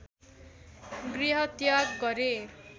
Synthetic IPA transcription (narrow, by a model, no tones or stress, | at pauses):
ɡriɦʌt̪jaɡɡʌɾe